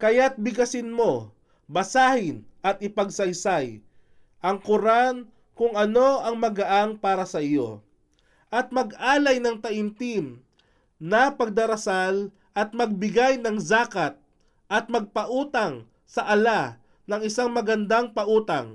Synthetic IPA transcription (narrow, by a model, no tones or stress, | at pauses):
kɐjat̪̚bɪɡɐsɪnmo̞ | bɐsaːhɪnʔɐt̪̚ɪpɐɡsɐjsaj | ʔɐŋkʊɾan | kʊŋɐno̞ʔɐŋmɐɡɐʔaŋpaːɾɐsɐɪjo̰ | ʔɐt̪̚mɐɡʔaːlɐjnɐŋt̪ɐʔɪnt̪im | nɐpɐɡ̚d̪ɐɾɐsal | ʔɐt̪̚mɐɡ̚bɪɡajnɐŋzaːkɐt̪̚ | ʔɐt̪̚mɐɡ̚pɐʔuːt̪ɐŋ | sɐʔɐla | nɐŋɪsaŋmɐɡɐnd̪aŋpɐʔuːt̪ɐŋ